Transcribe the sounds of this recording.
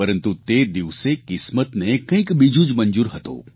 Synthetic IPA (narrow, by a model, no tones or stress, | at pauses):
pɐɾə̃nt̪ut̪ed̪iʋsekɪsmət̪nekɐ̃ĩkbid͡ʒuːd͡ʒmɐ̃nd͡ʒuːɾɦɐt̪o̰ː